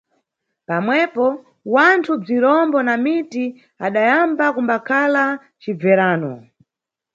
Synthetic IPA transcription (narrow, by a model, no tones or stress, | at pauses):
pamwɛpɔ | wantʰub͡ʐiɾɔmbɔnamiti | aɗajambakumbakʰala | t͡ʃib͡vɛɾaːnɔ̰